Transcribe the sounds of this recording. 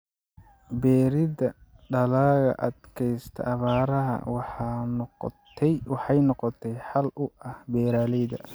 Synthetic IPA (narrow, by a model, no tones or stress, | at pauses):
bɛːɾɪdɐɖɐlaːɣɐ̰ʔɐd̪kʰɛjst̪ʰɐ̰ʔɐβaːɾɐɦɐ̰wɑħɑnʰ | ɛjwɑħɑjnɔqɔt̪ʰɛjħɑlʊʔɐhbɛːɾaːlɛjðɐ̰